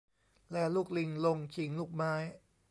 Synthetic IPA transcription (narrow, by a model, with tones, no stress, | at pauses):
lɛː˦˥˩luː˥˩k̚li˧ŋlo˧ŋt͡ɕʰi˨˩˦ŋluː˥˩k̚maː˦˥j